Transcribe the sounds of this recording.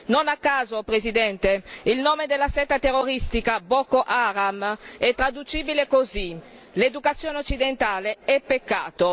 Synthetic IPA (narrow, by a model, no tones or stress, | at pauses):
nonakːaːzopɾezid̪ɛnt̪eilnoːmed̪elːasɛt̪ːat̪erːoɾist̪ikabɔkːoʔaɾamɛt̪ːɾad̪ut͡ʃiːbilekozi | led̪ukat̪sːjoːneot͡ʃːid̪ent̪aːleɛpːekːaːt̪o